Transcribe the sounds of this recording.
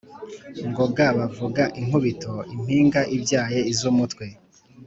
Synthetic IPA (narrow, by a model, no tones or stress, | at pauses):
ŋɡoɡaβavuɡaʔiŋɦuβito̞im̥hiːŋɡaʔibjaːjeizumutkwe̞